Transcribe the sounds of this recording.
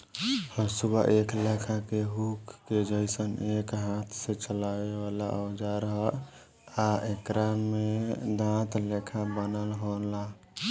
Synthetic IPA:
həsubʱə̰ʔekʰlekʰãkeɦukːed͡ʒəɪsənekɦãt̪ʰsẽt͡ʃəlaweʋalaʔɔd͡ʒaɾəɦə | aekɾamed̪ãt̪lekʰãbənəlɦonla

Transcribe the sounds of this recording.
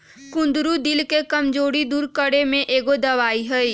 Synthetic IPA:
kʊ̃nd̪ɾud̪ɪlkekɐmd͡ʒoːɽid̪uːɾkəɽemẽʔeːɡod̪ɐʋaːiɦɛi

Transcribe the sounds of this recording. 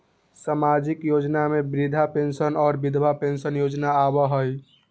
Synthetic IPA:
samad͡ʒikjod͡ʒnamebɾid̪ʱapensənɔːɾbid̪ʱbʱapensənjod͡ʒnaːbəɦəj

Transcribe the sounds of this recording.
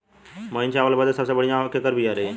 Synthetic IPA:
məːint͡ʃaːʋəlbəd̪esəbsebəɽjãːkek̪əɾbʱiaɾe

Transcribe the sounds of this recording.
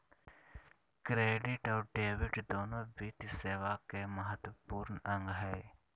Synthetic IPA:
kɾeːɖɪʈɔːɾɖeːʋɪɖd̪oːnõbit̪seːʋakeməɦət̪wəpuːɾnɐ̃ŋɡɦɛː

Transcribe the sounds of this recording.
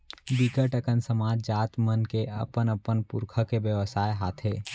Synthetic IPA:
bikəʈəkənsəmaːd͡ʒd͡ʒaːt̪mənkeɐ̰pənɐpənpʊɾkʰəkebjəʋəsaːjɦaːt̪ʰeː

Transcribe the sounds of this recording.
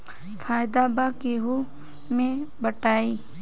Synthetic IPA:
fʰaːjd̪abakeɦo | mẽbəʈaːiː

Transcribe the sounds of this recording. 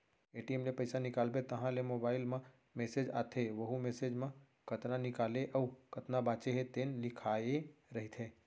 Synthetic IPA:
eːʈiemlepɐɪsanɪkaːlbet̪ɐɦãlemoːbaːɪlmã | meːseːd͡ʒa̰ːt̪ʰeʋɐɦumeːseːd͡ʒmã | kɐt̪nanɪkaːleʔɔːkɐt̪nabãːt͡ʃeɦet̪eːnlɪkʰaːeɾɐɦit̪ʰɦeː

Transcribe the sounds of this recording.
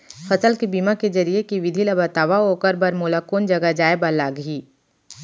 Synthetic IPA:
fʰɐsəlkibiːmaked͡ʒɐɾiekiʋɪd̪ʱilabɐt̪aːʋaɦokəɾbɐɾmoːlakoːnd͡ʒɐɡad͡ʒaːebalaːɡɦiː

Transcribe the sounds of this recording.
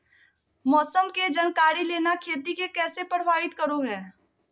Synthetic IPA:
mɔːsəmked͡ʒənkaːɾileːnakʰeːt̪ikekɛːsepəɽ̤ʋaːɪt̪kəɾoɦɛː

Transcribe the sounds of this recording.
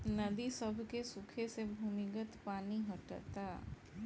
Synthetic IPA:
nɐd̪isəbʱkesʊkʰesebʱumɪɡət̪paːniɦəʈt̪aː

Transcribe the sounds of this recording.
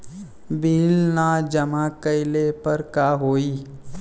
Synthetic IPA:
biːlnad͡ʒəmakəɪlepəɾkaːɦoːiː

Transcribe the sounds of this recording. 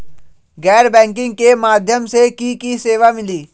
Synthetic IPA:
ɡɛːɾbɛ̃ːŋkɪ̃ŋɡ̚kemaːd̪ʱjəmsekikiseːʋamɪliː

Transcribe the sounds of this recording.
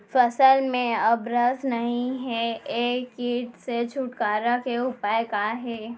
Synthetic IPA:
fɐsəlmẽɐbɾəznɐɦĩɦɛeːkːiːʈset͡ʃʰuːʈkaːɾakeʊpaːjekaɦɛː

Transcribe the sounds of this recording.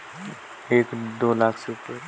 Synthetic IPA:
eːkd̪oːlaːkʰseʊpəɾ

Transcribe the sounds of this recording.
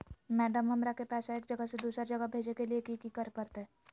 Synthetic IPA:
mɛːɖəmɦɐmɾakepɛːsaeːk̚d͡ʒɐɡəsed̪uːsɾd͡ʒɐɡəbʱeːd͡ʒekeliekiːkikəɾkəɾt̪ɛː

